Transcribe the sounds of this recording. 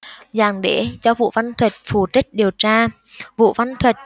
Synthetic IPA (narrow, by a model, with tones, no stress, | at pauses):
zaː˨˩ŋɗe˧˩˦t͡ɕɔ˧vṵ˧˨va˧nt̪ʰwə˨˩t̚fu˨˩t͡ɕi˦˥k̟̚ɗi˨˩əwt͡ɕaː˧ | vṵ˧˨va˧nt̪ʰwə˨˩t̚